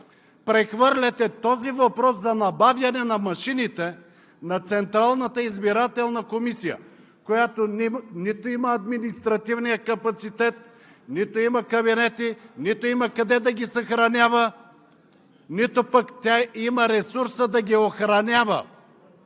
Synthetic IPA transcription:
pɾɛxvɤɾlʲɛt̪ɛt̪ɔzivɐpɾɔszɐnɐbavjɐnɛnɐmɐʃinit̪ɛ | nɐt̪sɛnt̪ɾalˠnət̪əizbiɾat̪ɛlˠnɐkomisijə̰ | kojat̪oninit̪oimɐːd̪minist̪ɾɐt̪ivnijəkɐpɐt̪sit̪ɛt̪̚ | nit̪oimɐkɐbinɛt̪init̪oimɐkɐd̪ɛd̪ɐɡʲisɐxɾɐnʲavə | nit̪opɐkt̪ʲaimɐɾɛsuɾsəd̪ɐɡʲioxɾɐnʲavə̰

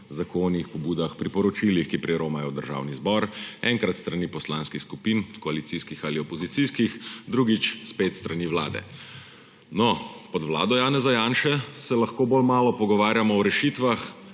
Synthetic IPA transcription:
zakoːnixpɔbuːd̪axpɾipɔɾɔt͡ʃiːlixkipɾiɾoːmajɔd̪əɾʒa̰ːwnizbɔɾɛŋkɾat̪st̪ɾaniːpɔslaːnskixskupinkɔalit̪siskixaːliɔpɔzit̪siskixd̪ɾuɡit͡ʃspeːt̪st̪ɾaniʋla̰ːd̪ɛ̰ | nɔpɔd̪ʋla̰ːd̪ɔjaːnɛzajaːnʃɛsɛlɐxkoːboːlmaːlɔpɔɡɔʋaːɾjamɔɔɾɛʃiːt̪ʋax

